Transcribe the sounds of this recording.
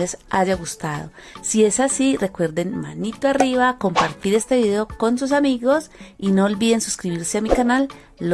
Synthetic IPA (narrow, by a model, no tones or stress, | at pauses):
lesad͡ʒaɣust̪aðo̞ | sie̞sasire̞kwe̞ɾd̪e̞nma̰nit̪oariβako̞mpaɾt̪iɾe̞st̪e̞βiðe̞oko̞ns̬us̬amiɣo̞sino̞ːlbiðe̞nsu̥skɾiβiɾseamikanalː